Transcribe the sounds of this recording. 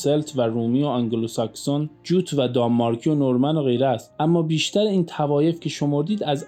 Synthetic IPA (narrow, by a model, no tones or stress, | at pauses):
selt̪ʰvæɾuːmioɑŋɡelosæksond͡ʒuːt̪ʰvæd̪ɒmːɒːɾkʰijonoɾmænoɣe̞jɾæst̪ʔæmːɒːbiːʃt̪ʰæɾeiːnt̪ʰævɒːje̞fcʰe̞ʃomoɾd̪iːd̪æz